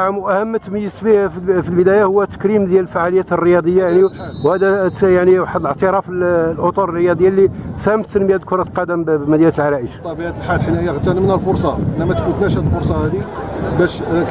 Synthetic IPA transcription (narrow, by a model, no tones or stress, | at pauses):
ʕmʔæhəmːət̪məjːəsbihfilbəd̪æjahʊwːæt̪ə̥kɾimd̪jæləlfaʕaləjæt̪rːəjɑd̪ˤəjːajaʕniwhæd̪æjaʕniwaħəd̪ələʕt̪əɾˤɑfəllʔot̪ˤuɾərːəjɑd̪ˤjːalːisæmt̪t̪ːənmjæd̪kʊɾˤɑt̪lqɑd̪əmbmæd̪jæɾt̪əlʕalæʔəʃt̪ˤːɑbiʕat̪əlħalħənæjaɣət̪ːɑnmnælfʊɾsˤɑʔənːæmæt̪fut̪næʃhæd̪əlfoɾˤsˤɑhæd̪ibæʃ